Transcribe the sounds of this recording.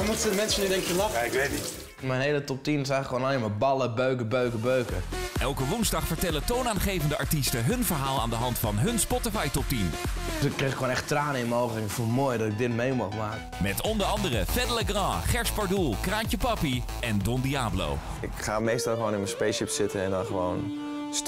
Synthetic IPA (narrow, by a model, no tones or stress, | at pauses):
ɔmutədəmɛnsənydɛŋkjəlaaɪkʋetnit | mɛjnɦejlətɔp̚tinɪs̬ɛjɣŋl̩əkʰːʋoːnɔlɪməbɑləbøɥkəbøɥkəbøɥkə̰ɛlˠkəʋunzdɑχfəɹtɛlətownaːnχejvəndəɑɹtistəɦɵnvəɹɦaːlˠa̰ːndəɦɑntfɑnɦɵnspɔtəfɑjtɔp̚tin | tykːreɪkʰːʋoːnɛχtraːnəɪnmowɣəlɪŋfomoːjdɔtɪɡ̚dɪtmejmɔχmaːkəmɛtɔndəɹɑndərəfɛdələɡrɑ̃ːχɛɹspɑɹdulˠkraːɲcəpɑpi | ɛndɔndiaːblo̰w | ɪkχaːmejstɑlˠxəʋoːnɪnmənspejʃɪpsɪtənɛndɔnχəʋown | s